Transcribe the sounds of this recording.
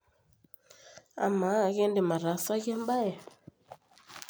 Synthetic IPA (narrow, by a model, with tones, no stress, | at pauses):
a̰˨ma˨˦˨ɣɛ˦nde˨ma˨ɾa˨˦sa˦ɣɛ˦mba˦jɛ˨